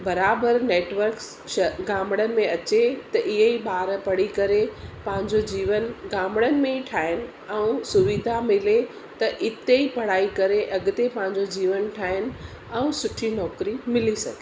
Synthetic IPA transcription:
bɐɾaːbəɾneːʈʋəɾks | ʃɐɡaːmɽənɪ̆mẽɐt͡ɕet̪ɐʔɪɦeiɓaːɾpɐɽikɐɾepɐ̃ɦɪ̃ɲd͡ʑod͡ʑiːʋənɡaːmɽənɪ̆mẽiʈʰaːɪnɪ̆ | ɛũsʊʋid̪ʱamɪle | t̪ɐʔɪt̪eipɐɽ̤aːikɐɾeʔɐɡʊt̪epɐ̃ɦɪ̃ɲd͡ʑod͡ʑiːʋənʈʰaːɦɪnɪ̆ | ɛũsʊʈʰinɔːkɾimɪlisɐɡʱe

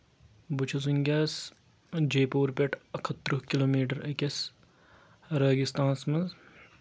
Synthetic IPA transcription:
but͡ʃʰɐs̬uŋɡʲɐːs | d͡ʒeːpoːɾpʲeʈɐkʰɐt̪ːɾukiloːmiːʈɐɾɐkʲɐs | ɾɐːɡist̪ãːnsmɐnz

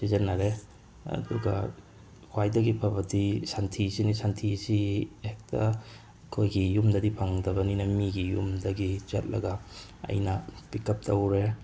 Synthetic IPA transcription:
sizɐnːɐɾe | ɐ̰duɡɐ | wajdɐɡipʰɐbɐdisantʰisinisantʰisiek̚tʰɐ | kʰojɡijumdɐdipʰaŋdɐbɐninɐmiɡijṵmdɐɡit͡ʃɐ̰t̚lɐ̰ɡɐ | ɐ̰jnɐpikɐp̚tʰɐwɾe

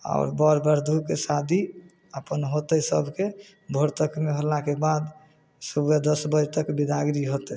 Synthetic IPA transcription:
a̰ʊɾbəɾbəɾd̪ʱukesad̪ʱi | əpənɦot̪ɛsəbʱke | bʱoɾt̪əkmeɦəlakebad̪ | səbjad̪əsbəd͡ʒt̪əkbid̪ʱaɡɾiɦot̪ɛ

